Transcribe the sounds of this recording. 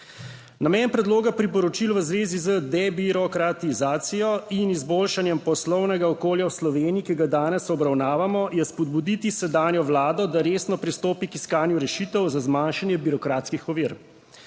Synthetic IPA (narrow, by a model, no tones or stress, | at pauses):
namɛnpɾɛd̪loːɡapɾipɔɾɔt͡ʃilʋəzʋeːzizəd̪ɛbiɾɔkɾat̪izaːt̪sijɔinizboːlʃanjɛmpɔslɔwnɛɡaɔkoːljawslɔʋeːniːkiɡad̪aːnɛsɔbɾawnaːʋamɔjɛspɔd̪̚bud̪it̪isɛd̪aːnjɔʋlaːd̪ɔd̪aɾeːsnɔpɾist̪oːpikiskaːnjuɾɛʃit̪ɛwzazmaːnʃanjɛbiɾɔkɾaːt̪skixɔʋiːɾ